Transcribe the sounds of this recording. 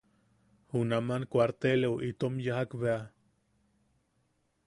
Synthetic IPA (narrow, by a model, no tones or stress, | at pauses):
hunamankwaɾt̪elewʔit̪omjaɦakβea